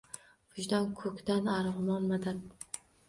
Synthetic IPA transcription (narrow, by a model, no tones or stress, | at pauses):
ʊd͡ʒd̪ankʰɵkʲd̪anaɾʁʊmɒnmad̪at̪